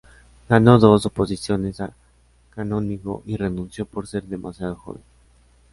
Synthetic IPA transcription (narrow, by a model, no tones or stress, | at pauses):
ɡano̞ðo̞so̞po̞sisjo̞nesa | kanõniko̞̰ʔire̞nũnsjo̞poɾse̞ɾðe̞mʔasjaðoxo̰βḛn